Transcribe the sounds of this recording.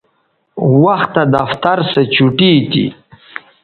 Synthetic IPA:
waxt̪ːad̪aft̪aɾsət͡ɕuʈiːt̪ḭ

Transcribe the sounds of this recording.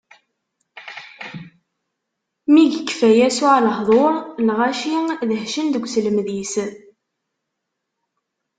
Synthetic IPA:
miʝəkːfæjæsuʕləɦðˤoɾˤlʁæʃiðəhʃənd̪əɡʷsələmðis

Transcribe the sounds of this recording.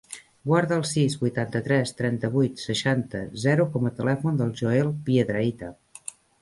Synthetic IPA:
ɡwaɾðəːlˠsizβujt̪ant̪ət̪ɾɛst̪ɾɛnt̪əβujt̪səʃant̪ə̰zɛɾukɔmət̪əlɛfund̪əlˠʒoelˠpjəðɾəit̪ə

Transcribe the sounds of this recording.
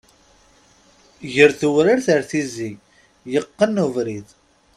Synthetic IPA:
ʝəɾθuwɾaɾθəɾθizi | jəqːənːuvɾið

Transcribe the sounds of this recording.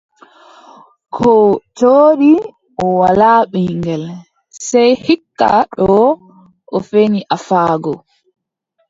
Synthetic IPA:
kʰɔt͡ʃoːɗi | ʔɔwalaːɓiŋɡɛl | sɛjhikːa̰ɗɔ | ʔɔfeniʔafaːɡɔ

